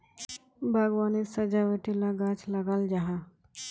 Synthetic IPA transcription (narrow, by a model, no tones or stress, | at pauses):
bʱaɡʋanisəd͡ʒaʋəʈilaɡat͡ʃləɡald͡ʒaɦa